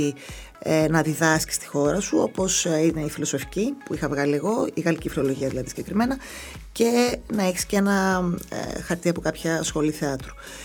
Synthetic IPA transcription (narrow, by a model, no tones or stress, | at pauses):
i | enɐðiðɐsci̥st̪i̥xo̞ɾɐsuo̞po̞sine̞ifilo̞so̞fi̥cipuixɐvɣɐlie̞ɣo̞iɣɐlicifɾiolo̞ʝiɐðilɐðisi̥ɟekɾime̞nɐ | ce̞nɐeçi̥scee̞nɐ̰ | xɐɾt̪iɐpo̞kɐpçɐsxo̞liθeɐt̪ɾu̥